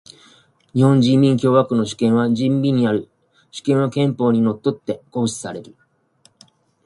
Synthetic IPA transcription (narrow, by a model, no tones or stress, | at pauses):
ɲ̟ihõ̞ɲ̟d͡ʑĩmːʲĩŋkʲo̞ːβakɯ̟no̞ɕi̥kẽ̞ɰ̃βaʑĩmbʲiɲ̟iaɾɯ̟ | ɕi̥kẽ̞ɰ̃βakẽ̞mpo̞ːɲ̟ino̞t̪ːo̞t̪ːe̞ko̞ːɕi̥saɾe̞ɾɯ̟